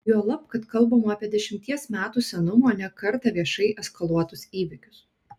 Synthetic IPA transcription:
juɔlˠɐpkɐt̪kɐlˠˑbɐmoɑːpʲiɛd̪ʲɛʃʲɪmʲt̪ʲiɛsmʲæːt̪uːsʲɛnʊmoːnʲɛkɐɾt̪ɐʋʲiɛʃɐɪʔɛskɐlˠuɔt̪ʊsiːʋʲɪkʲʊ̥s

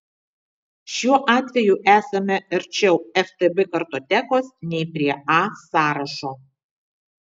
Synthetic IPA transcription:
ʃʲuɔʔɑːt̪ʲʋʲɛjuʔæːsɐmʲɛɪɾʲt͡ʃʲɛʊɛft̪ɨbɨkɐɾt̪oːt̪ʲækoːsnʲɛɪpʲɾʲiɛɑːsɑːɾɐʃoː

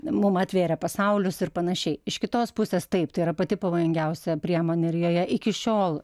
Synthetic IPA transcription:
mʊmɑt̪ʲʋʲeːɾʲɛpɐsɐʊlʲʊsɪrpɐnɐʃʲɛɪɪʃkʲɪt̪oːspʊsʲeːst̪ɐɪp̚t̪ɐɪiɾɐpɐt̪ʲɪpɐʋoːjʊŋʲɡʲɛʊsʲɛpʲɾʲiɛmoːnʲɛɪɾjoːjɛʔɪkʲɪʃʲoːlˠ

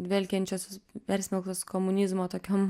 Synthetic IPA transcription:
d̪ʲʋʲɛlʲkʲɛnʲt͡ʃʲoːspʲɛɾʲsʲmʲɛlˠkt̪oːskoːmʊnʲɪzmoːt̪oːkʲoːm

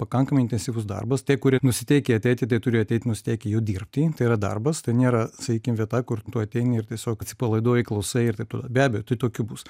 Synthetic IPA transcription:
pɐkɐŋkɐmɐɪnʲt̪ʲɛnʲsʲiːʋʊsd̪ɐ̰rbɐstʲiɛkʊɾʲiɛnʊsʲɪt̪ʲɛɪkʲɛɐt̪ʲɛɪt̪ʲɪt̪ɐɪt̪ʊɾʲɪjɐt̪ʲɛɪt̪ʲɪnʊsʲɪ̥t̪ʲɛɪkʲejɛʊd̪ʲirpʲt̪ʲiːt̪ɐɪɪɾɐd̪ɐ̰rbɐst̪ɐɪnʲeːɾɐsɐkʲiːkʲɪmʋʲiɛt̪ɑːkʊrt̪uːɐt̪ʲɛɪnʲɪɪrt̪ʲiɛsʲoːkɐt̪ʲsʲɪ̥pɐlˠɐɪd̪oːjɪklˠɐʊsɐɪɪrt̪ɐɪpt̪oːd̪ɐbʲæːbʲɛjoːt̪ɐɪt̪oːkʲʊbus

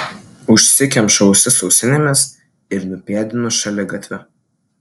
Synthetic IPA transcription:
ʊʃʲsʲɪkʲɛmʃɐʊsʲɪsɔʊsʲɪnʲɪmʲɛs | ɪɾnʊpʲeːd̪ʲɪnʊʃɐlʲɛɡɐt̪ʲʋʲɛ

